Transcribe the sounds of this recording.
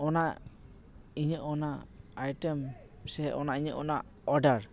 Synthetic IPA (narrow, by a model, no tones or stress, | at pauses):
ɔna | iɲəʔɔnaajʈɛm | sɛʔɔnaiɲəʔɔna | ɔɖaɾ